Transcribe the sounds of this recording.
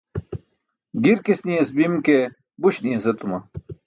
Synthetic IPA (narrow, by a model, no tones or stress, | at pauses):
ɡiɾkisniɐsbimke | buɕniɐzet̪umɐ